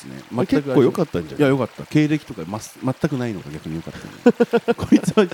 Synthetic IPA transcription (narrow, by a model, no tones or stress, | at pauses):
sɨnḛmatkeːakɯoːjokat̪ːãɲd͡ʒa̰jajo̞kat̪ːake̞ːɾe̞kʲi̥t̪o̞kamasmat̪ːakɯ̟naino̞ɡaɡʲakɯ̟ɲ̟ijo̞ka̰t̪ːa̰ndko̞it͡sɨβa